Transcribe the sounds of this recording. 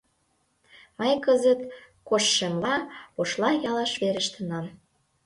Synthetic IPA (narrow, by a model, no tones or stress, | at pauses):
mɑjkəzət̪ | koʃːemlɑoʃlɑjɑlɑʃβeɾə̆ʃt̪ənɑm